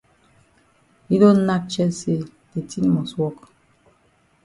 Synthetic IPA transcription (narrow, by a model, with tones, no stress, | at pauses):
i˦dõ˦n˦na˦k̚t͡ʃɛ˦se˦˨ | de˨ti˦ni˦mɔ˨swɔ˦˨k